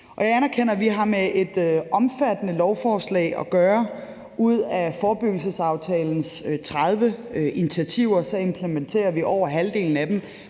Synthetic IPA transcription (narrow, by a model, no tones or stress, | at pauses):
ʔɒ̽jɑ̈ɪænɐkʰen̰ɐʋiɦɑ̈meʔe̝d̥ʔɒ̽mfæd̥ənəlɒʊfɒːslɛ̰ɪʔɒ̽ɡ̥ɶːɐ | ʔuð̞̰ˠæfɒːb̥yɡ̥l̩səsɑ̈ʊt͡sʰɛːln̩st͡sʰʁað̞ˠʋəʔinit͡sʰiæt͡sʰiʊɐɒsɒ̽e̝mpʰlement͡sʰe̝̰ːɐʋiʔɒʊ̰ɐɦæld̥e̝̰ːln̩æd̥em